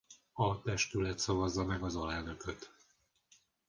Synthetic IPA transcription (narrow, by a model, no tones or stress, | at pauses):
ɒt̪ɛʃt̪ylɛt̪sɒvɒzːɒmɛɡɒzɒlɛlnø̞køt̪